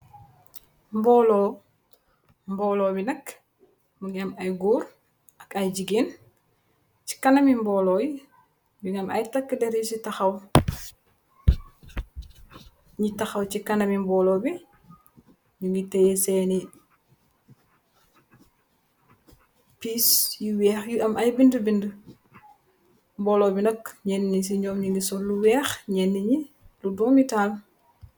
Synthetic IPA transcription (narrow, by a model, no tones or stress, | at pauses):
mbɔːlo | mbɔlobinɐk | muŋamajɡuːɾ | akɐjɟiɡin | t͡ʃi̥kɐnɐmimbɔːloːji | muŋamɐjtakːədeɾjusitaxɐw | ɲitaxɐwt͡ʃikɐnɐmimbɔːloːbi | ɲuŋɡitɛjɛsɛni | piːsjiwɛːxjuʔɐmɐjbindəbində | mbɔːlɔbinɐkɲɛnːiɲis̬iɲɔːmɲuŋɡisɔluwɛːxɲɛnːiɲiluduːmitaːl